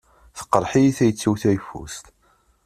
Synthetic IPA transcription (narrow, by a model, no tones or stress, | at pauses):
θə̥qːəɾˤħijiθæjət͡sːiwθæjfṵst̪